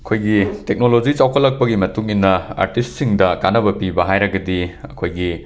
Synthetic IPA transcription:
ɐkʰojɡitek̚nolod͡ʒit͡ʃawkʰɐlɐk̚pɐɡimɐtuŋinːɐa̰ɾtist̚siŋdɐkanːɐβɐpibɐɦajɾɐɡɐdiɐkʰojɡi

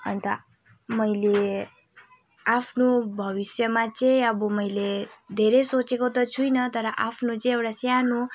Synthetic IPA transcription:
ʌnt̪ʌ | mʌjle | apʰnobʱʌbisjʌmat͡sʌ̃ĩʌbʌmʌjled̪ʱeɾesot͡sekot̪ʌt͡sʰujnʌt̪ʌɾʌʔapʰnot͡sʌ̃ĩewʈasjanu

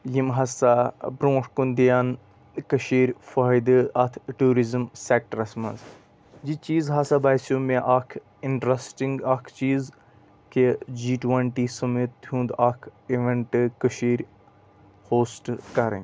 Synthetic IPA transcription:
jimɦɐsabɾõːʂkund̪ijan | kəʃiːɾʲfaːjd̪ɨɐt̪ʰʈuːɾizmsek̚ʈɾɐsmɐz | d͡ʒit͡ʃiːzɦɐsabaːjsjumeʔakʰ | iɳʈɾɐsʈĩŋɡakʰt͡ʃiːz | ked͡ʒiːʈʋɐɳʈiːsɐmit̪̚ːɦũːnd̪akʰiʋeɳʈɨkəʃiːɾʲ | hoːsʈkɐɾɐ̰̃n

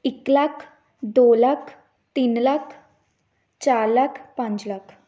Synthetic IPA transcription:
iklakʰ | d̪olakʰ | t̪iːnlakʰ | t͡ɕaɾlakʰpãɲt͡slakʰ

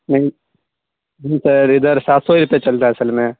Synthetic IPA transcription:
nɐĩ | ɦĩsəɾɪd̪əɾsaːt̪soiɾʊpjet͡ʃɐlt̪aɦɛɐsəlmẽ

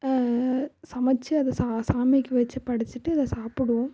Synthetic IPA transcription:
sɐmɐt͡ʃːɯɐðɐsasaːmikːɯʋɐt͡ʃːɯpɐɽɪt͡ʃːɯʈːɯɪðɐsaːpɪɽɯõ

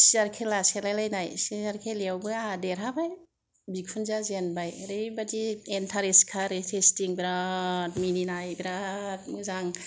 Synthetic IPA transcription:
siaɾkʰelaselajlajnajsiaɾkʰelewbɯadeɾɦabaj | bikʰunzazenbajɾɯjbadientʰaɾeskʰaɾetʰestiŋbɾatmininajbɾat̚mɯzaŋ

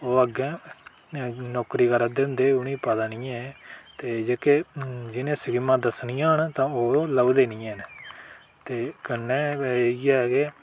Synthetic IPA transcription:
oːəɡɛ̃ː | nɔːkɾiːkəɾad̪ɪ̃nd̪eːʊnĩːpəd̪aːnĩːɛ̃ːt̪eːd͡ʒeːkeːd͡ʒɪnẽːsəɡɪmãːd̪əsnijãːɦənt̪ãːoːləʋd̪eːnĩːɛːn | t̪eːkənːɛːɛːiɛːɡeː

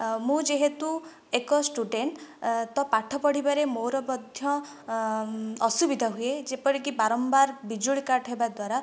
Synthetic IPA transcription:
mũd͡ʒeɦet̪u | ekɔsʈuɖeɳʈt̪ɔpaʈʰɔpɔɽibaɾemoɾɔbɔd̪ʱjɔ | ɔsubid̪ʱɔɦued͡ʒepɔɾikibaɾɔmbaɾbid͡ʒuɭikaɾʈʰɦebad̪waɾa

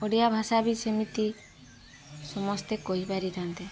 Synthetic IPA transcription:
ɔɽijabʱasabisemit̪i | sɔmɔst̪ekoɦibaɾit̪ʰant̪e

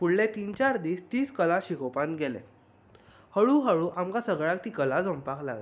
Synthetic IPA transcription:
fuɽlẽt̪iːnt͡ɕaɾd̪iːst̪iːskəlaɕikopãnt̪ɡɛlɛ̰̃ | həɭũɦəɭũʔamkasəɡɭãk̚t̪iːkəlad͡zəmpakla̰ɡle

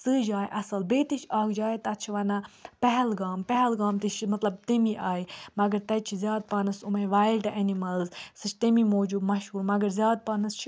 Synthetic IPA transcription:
sɨːd͡ʒaːjʔɐsɐlbeːt̪iʃaːkd͡ʒaːjt̪ɐt̪t͡ʃʰiʋɐnɐpɛɦɛlɡaːmpɐɦɛlɡaːmt̪iʃmɐt̪lɐb̚t̪emiʔaːjmɐɡɐɾt̪ɐt͡ʃʰizʲjaːd̪̚paːnɐsumɐʋaːjlɖʔenimɐlzsɨt͡ʃt̪emimoːd͡ʒub̪mɐʃhuːɾmɐɡɐɾzjaːd̪̚paːnɐst͡ʃʰ

